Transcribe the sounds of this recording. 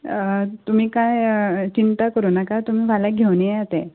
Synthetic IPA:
t̪um̤iːkajt͡ɕint̪akəɾunakat̪um̤iːʋalaɡʱewneat̪e

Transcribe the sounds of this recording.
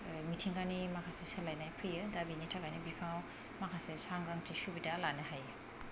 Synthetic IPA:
mitʰiŋɡanimakʰaseselajnajpʰɯjɯdabinitʰakajnɯbipʰaw | makʰasesaŋɡaŋtʰisubidalanɯɦajɯ

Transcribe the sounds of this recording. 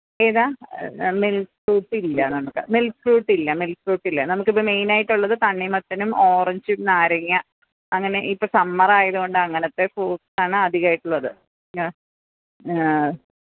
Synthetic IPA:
eːðaːmilfruːʈːilːɐnɐmukːɨ̰milfruːʈːilːɐmilfruːʈːilːɐnɐmukːɨpːɐme̞jnaːjiʈːuɭːɐðɨt̪ɐɳːijmɐt̪ːɐnumo̞ːrɐɲd͡ʑumnaːɾɐŋːa | ɐŋːɐne̞ʔipːoːsɐmːɐrɐaːjɐðuɣo̞ɳɖɨɐŋːɐnɐt̪ːe̞fuːsaːɳɨɐd̪ʱiɣaːjiʈːuɭːɐðɨ

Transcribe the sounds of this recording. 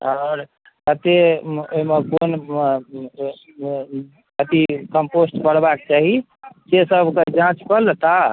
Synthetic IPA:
a̰ɾ | kət̪eomekon | kət̪ikəmposʈpəɽbakt͡ʃaɦi | sesəbʱkəd͡ʒãt͡ʃpəlt̪a

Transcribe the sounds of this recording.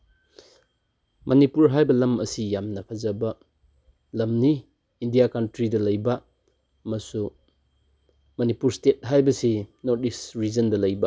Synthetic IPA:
mʔɐnipuɾɦajbɐlɐmɐsijamnɐpʰazɐbɐ | lɐmniː | ndijakantɾidɐlɐjbɐ | mɐsu | mɐnipuɾstet̚ɦajbɐsinɔisɾizɐndɐlɐjbɐ

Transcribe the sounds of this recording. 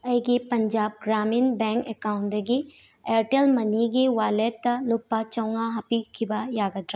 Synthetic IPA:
ɐjɡepɐɲd͡ʒaːb̚ɡɾaːmiːnbɛ̃ːŋkɛkaːʊɳd̪ɐɡe | eɾʈelmɐniɡewaːledt̪ːɐlʊpːat͡ʃɐw̃ŋɡaɦɐpikʰibajaːɡɐd̪ɾa

